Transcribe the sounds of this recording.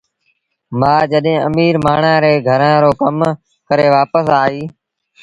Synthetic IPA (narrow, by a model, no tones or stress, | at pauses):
maːd͡ʒəɗɦẽːʔəmiːɾmaːɳãːɾeːɡʱəɾãːɾoːkəm | kəɾeːʋaːpəsaːɦiː